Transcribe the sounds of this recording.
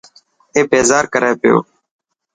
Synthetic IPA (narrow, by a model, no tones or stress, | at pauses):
eːbeːzaːɾkəɾeːpɪjo̰ː